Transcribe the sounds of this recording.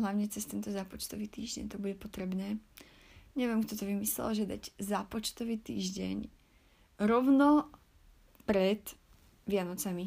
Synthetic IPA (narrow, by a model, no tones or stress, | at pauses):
ɦlaʊɲɛt͡sɛst̪ɛnt̪ɔzapɔt͡ʃt̪ɔʋiːt̪iːʒɟɛ̰ɲt̪ɔbuɟɛpɔt̪ɾɛbnɛː | ɲɛʋjɛmkt̪ɔt̪ɔʋimislɛ̰lʒɛd̪aɟzapɔt͡ʃt̪ɔʋiːt̪ḭːʒɟɛ̰ɲ | ɾɔʊnɔ | pɾɛt̪ | ʋɪanɔt͡sami